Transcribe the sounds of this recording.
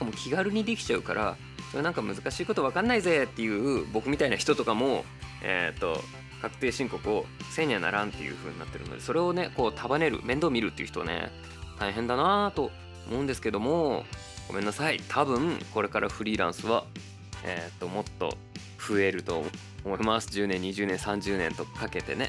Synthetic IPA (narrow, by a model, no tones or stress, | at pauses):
kamo̞kʲʰiɡaɾɯ̟ɲ̟id̪e̞kʲi̥t͡ɕaɯ̟ka̰ɾʔa̰ | soɾenãŋkamɯ̟zɨkaɕiːko̞t̪o̞βakãnːaize̞t̪ːe̞jɯ̟ːbo̞kɯ̟mʲit̪ainaçi̥t̪o̞t̪o̞kamo̞ | ḛt̪ːo̞̰ | kakɯ̟̥t̪e̞ːɕĩŋko̞kɯose̞ːɲ̟ana̰ɾãnt̪ːe̞jɯ̰ːɸɯ̟ːɲ̟ina̰t̪ːe̞ɾɯ̟no̰d̪e̞so̞ɾe̞o̞ne̞ko̞ːt̪ʰabane̞ɾɯ̟̰mẽ̞nd̪oːmʲiɾɯ̟t̪ːeiɯ̟ç̥t̪o̞a̰nḛ | t̪aiɦẽ̞nd̪anat̪o̞ | omo̞ɯ̃nd̪e̞sɨ̥ke̞d̪o̞mo̞ | ɡ̥o̞mẽ̞nːasait̪ʰabɯ̟̃ŋko̞ɾe̞kaɾʔaɸɯ̟ɾʲiːɾã̰ɰ̃sɨβa | ḛt̪ːo̞mo̞t̪ːo̞̰ | ɸɯ̟e̞ɾɯ̟t̪o̞̰ | omo̞imasɨ̥ʑɨːnẽ̞ɲ̟ːiʑɨːnẽsãɲ̟d͡ʑɨːnẽ̞nt̪o̞kake̞t̪e̞ne̞